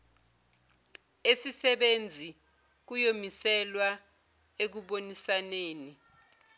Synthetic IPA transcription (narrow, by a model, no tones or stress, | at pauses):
esisɛɓend͡zʱi | k̬ujomisɛlwa | ek̬uɓonisaneːni